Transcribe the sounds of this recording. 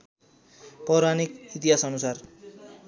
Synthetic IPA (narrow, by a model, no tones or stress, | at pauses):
pʌɾanikit̪iɦasʌnusar